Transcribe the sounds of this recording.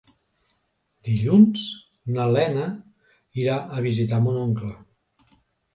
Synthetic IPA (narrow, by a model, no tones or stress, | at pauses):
d̪̥iʎunz | nalɛnə | iɾaʔəβizit̪amunoŋklə